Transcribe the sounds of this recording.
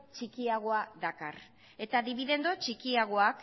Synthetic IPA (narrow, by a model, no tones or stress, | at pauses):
t͡ʃikiaɣ̞o̞aðaka̰r | e̞t̪aðiβiðe̞nd̪o̞t͡ʃikiaɣ̞o̞ak